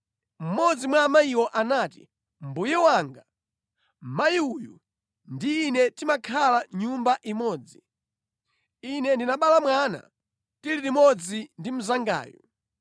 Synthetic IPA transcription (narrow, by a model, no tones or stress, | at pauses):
m̩mɔd͡zimwamaiwɔʔanaːtḭ | m̩bujɛwaŋɡa | majiuju | ndiːnɛtimakʰalaɲumbaʔimɔːd͡zi | inɛndinaɓalamwana̰ | tiliɾimɔd͡zindim̩zaŋɡa̰ːjṵ